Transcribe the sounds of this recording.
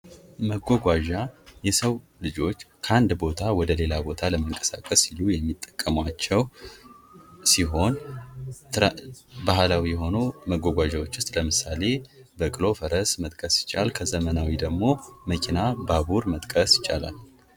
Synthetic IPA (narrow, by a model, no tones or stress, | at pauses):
məɡʷɔɡʷaʒajɛsəw | lɨd͡ʒo̞t͡ʃːkʰəand̪bo̞t̪ʰawɔd̪əle̞labo̞t̪ʰaləməŋkʼə̥sa̰kʼəsilujɛmːit̪ʼːə̥kʼːəmwat͡ʃːɛw | siɦo̞n | tbahlawijɛɦo̞numəɡʷːɔɡʷaʒawo̞t͡ʃːʊst̪ʼləmɨsale̞bəkʼɨlo̞fəɾəsmət̪ʼkʼəsjɪ̥t͡ʃʼa̰lkʰəzəmənawid̪əɡmo̞məkʰinababuɾmət̪ʼkʼəsjɪt͡ʃʼa̰la̰l